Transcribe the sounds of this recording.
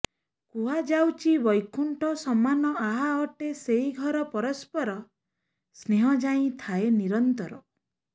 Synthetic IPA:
kuɦad͡ʒawt͡ʃibɔjkʰuɳʈɔsɔmanɔaɦaɔʈeseɦiɡʱɔɾɔpɔɾɔspɔɾɔ | sneɦɔd͡ʒaĩt̪ʰaeniɾɔnt̪ɔɾɔ

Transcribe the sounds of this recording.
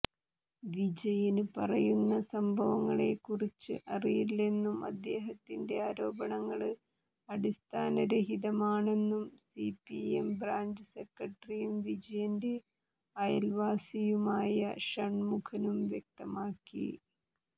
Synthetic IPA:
ʋid͡ʑɐjinɨpɐrɐjunːɐsɐmbʱɐʋɐŋːɐɭe̞kːurit͡ɕːɨ̰ʔɐrijiile̞nːumɐ̰d̪ːe̞ːɦɐt̪ːinde̞aːɾo̞ːbɐɳɐŋːɐɭɨ | ɐɽist̪ʰaːnɐɾeɦiðɐmaːɳe̞nːumsipːiḛmbraːɲd͡ʑɨse̞kːɐʈːrijumʋid͡ʑɐjɐnde̞ | ɐjɐ̰lʋaːsijumaːjɐʂɐɳmukʰɐnumʋjek̚t̪ɐmaːkːḭ

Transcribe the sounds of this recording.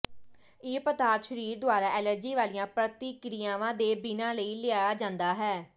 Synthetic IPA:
iːpət̪aːt̪ʃəɾiːɾd̪oaːɾaːʔɛːləɾd͡ʒiːʋaːliːãːpɾət̪iːkɾijãːʋãːd̪eːbɪnãːləiːlɪaːaːd͡ʒãːnd̪aːɦɛː

